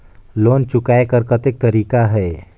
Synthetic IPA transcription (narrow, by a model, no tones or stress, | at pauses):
loːnt͡ʃʊkaːekəɾkət̪ɪk̚t̪əɾiːkaɦɛː